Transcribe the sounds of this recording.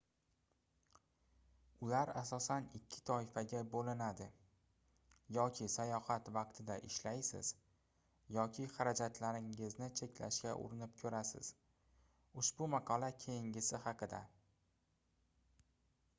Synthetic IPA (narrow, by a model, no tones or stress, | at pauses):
ʊlaɾasɒsanɪkʲʰːɪ̥t̪ʰɒɪfaɡʲabolɪnad̪ɪ | jɒkʲʰɪsajɒhat̪vɑq̚t̪ʰɪd̪aʔɪʃlajsɪ̰z̥ | jɒkʲʰɪχɑɾad͡ʒat̪ʰlaɾɪŋɪznɪt͡ʃʰe̞kʲʰla̰ʃkʲaʔʊ̰ɾɪnɪp̚kʲʰɵɾasɪ̰z̥ | ʊʃbʊmɑqʰɒlakʲʰejɪŋʲɪsɪhɑqʰɨd̪a̰